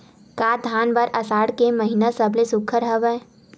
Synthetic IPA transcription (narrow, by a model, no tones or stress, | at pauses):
kaːd̪ʱaːnbəɾɐsaːɽkeməɦinasɐblesʊkʰəɾɦəʋɛ